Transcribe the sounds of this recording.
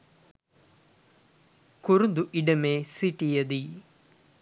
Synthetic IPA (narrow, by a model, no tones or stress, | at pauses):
kuɾund̪uʔiɖɐmeːsiʈijɐd̪i